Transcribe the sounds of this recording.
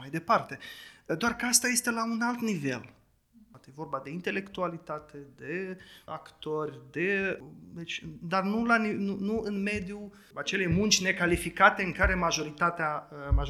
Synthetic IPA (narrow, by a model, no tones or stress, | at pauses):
ajd̪e̞part̪e̞d̪oarkəast̪aje̞st̪e̞launalt̪nive̞̰l | at̪ejevo̞rbad̪e̞int̪e̞le̞kt̪ualit̪at̪ʰe̞d̪e̞akt̪o̞rʲd̪e̞d̪et͡ʃʲd̪arnulaninunuɨnme̞d̪ju | at͡ʃele̞munt͡ʃʲne̞kalifikat̪e̞ɨŋkaɾe̞maʒo̞ɾit̪at̪eamaʒ